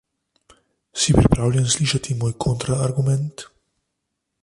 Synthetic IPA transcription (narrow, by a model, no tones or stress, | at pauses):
sipɾipɾaːwlʲjɛnsliːʃat̪imoːjkʰont̪ɾaːɾɡumɛnt̪